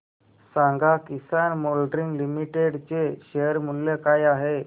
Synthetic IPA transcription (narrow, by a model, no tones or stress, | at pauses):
saŋɡakisanmolɖɾiŋɡlimiʈeɽt͡ɕeɕeɦəɾmulːekajaɦe